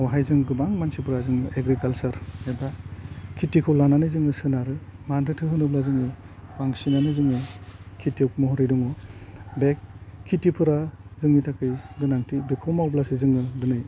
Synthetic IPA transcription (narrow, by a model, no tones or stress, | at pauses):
awɦajzɯŋɡɯbaŋmansipʰɯɾazɯŋɯʔeɡɾikalsɐɾebakʰːitikʰɯwlananɯjzɯŋɯsɯnaɾɯmantɯtʰɯɦɯnɯblazɯŋɯ | baŋsinanɯjzɯŋɯkʰitewkmɔɦɔɾijdɔŋɔbekʰːitipʰɯɾazɯŋnitʰakʰɯjdɯnaŋtʰibekʰɔwmawblasizɯŋɯdɯnɯj